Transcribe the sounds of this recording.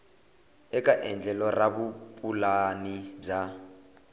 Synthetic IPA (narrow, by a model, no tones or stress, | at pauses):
ɛkʼaʔɛnd͡ɮʱɛlɔraβupʼulanib͡ʐa